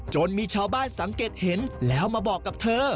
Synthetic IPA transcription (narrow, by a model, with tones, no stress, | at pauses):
t͡ɕo˧nmiː˧t͡ɕʰaː˧wbaː˥˩˨nsa˩˦ŋkeː˨˩t̪̚he˩˦nlɛː˦˥wmaː˧bɔː˨˩kːa˨˩p̚t̪ʰɤː˧